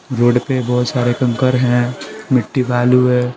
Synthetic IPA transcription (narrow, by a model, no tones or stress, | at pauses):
ɾoːɖpebɔːt̪saːɾekɐ̃ŋkəɾɦɛ̃mɪʈːibaːluɦɛ̃ː